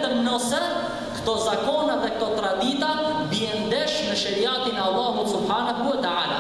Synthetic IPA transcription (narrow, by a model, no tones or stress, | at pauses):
t̪ənɔsɛ | kt̪ɔzakɔːnaðɛk̚t̪ɔt̪ɾad̪iːt̪abiɛnd̪ɛʃmɛʃɛɾijaːt̪inɑlˠˤːaːɦusʊbħaːnaɦuwat̪aʕaːla